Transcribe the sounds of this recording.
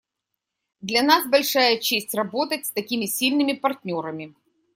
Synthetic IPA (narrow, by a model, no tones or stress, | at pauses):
d̪lʲɐnasbɐlʲʂajət͡ɕesʲtʲrɐbo̞t̪ətʲst̪ɐkʲimʲɪsʲilʲnɨmʲɪpɐrtʲnʲoɾəmʲɪ